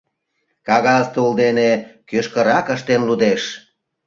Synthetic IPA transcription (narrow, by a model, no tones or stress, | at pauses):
kɑɣɑzt̪uuld̪enekøʃkəɾɑkəʃt̪enlud̪eʃ